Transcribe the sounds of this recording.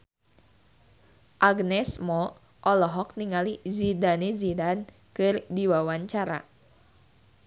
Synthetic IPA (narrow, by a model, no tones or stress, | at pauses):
ʔaɡnɛsmɔ | ʔɔlɔɦɔk̚niŋalizidanezidan | kɨrdiwawaɲt͡ʃaɾa̰